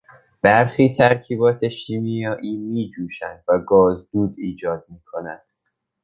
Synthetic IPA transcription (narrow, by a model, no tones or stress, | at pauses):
b̥æɾxiːt̪ʰæɾcʰiːbɒːt̪ʰe̞ʃiːmijɒːʔiːmiːd͡ʒuːʃænd̪væɡɒːzd̪uːd̪iːd͡ʒɒːd̪̚miːkʰonænd̪̥